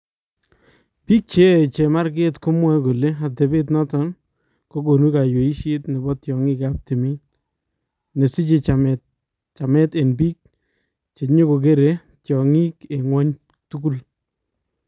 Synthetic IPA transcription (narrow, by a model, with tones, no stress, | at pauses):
pi˦k̚t͡ʃe˦t͡ʃe˨ma˦ɾke˦tkʊ˦mwɛ˦ko˨le˦a˨tɛ˨be˦t̬nɔ˦tɔ˨n | ko˦ko˨nu˦ka˨jo˨i˦ʃɪ˦tnɪ˨bɔ˦tjɔ˨ŋɪ˦kap̚te˨mi˦n | ne˨si˦t͡ʃɪ˨t͡ʃa˨mɛ | t͡ʃa˨mɛ˦te˨nbiː˦k̚ | t͡ʃe˨ɲo˦ko˨k̬e˦ɾe˨ | tjɔ˨ŋi˦ke˨ŋwɔ˦ɲ | tu˦ku˦l